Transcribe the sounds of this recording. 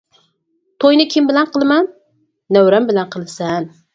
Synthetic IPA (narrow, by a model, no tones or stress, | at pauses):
t̪ʰojnɪkʲʰɪmbɪlanqʰɨlˠmanː | awɾambɪlanqʰɨlˠsan